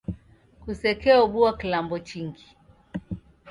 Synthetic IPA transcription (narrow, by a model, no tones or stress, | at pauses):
kusɛkɛɔɓuakilambɔt͡ʃiŋɡi